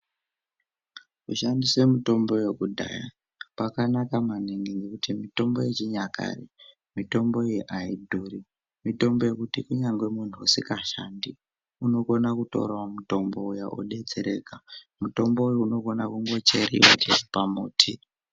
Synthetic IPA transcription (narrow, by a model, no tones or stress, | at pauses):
kuʃandiswe̞mito̞mbo̞je̞kudʱa̰ːja | pakanakamaneŋɡeŋɡekutimito̞mbo̞jet͡ʃiɲaka̰re | mito̞mbo̞eiʔaidʱuːri | mito̞mbo̞je̞kutikuɲaŋɡwe̞mun̤ʰuusikaʃandi | uno̞ko̞nakuto̞̰rwamuto̞mbo̞ujaʔṵɗe̞d͡ze̞ɾe̞̰ka | muto̞mbo̞ujouno̞ko̞nakuŋɡo̞t͡ʃeɾḭwa̰t͡ʃeʐipamoːtʰi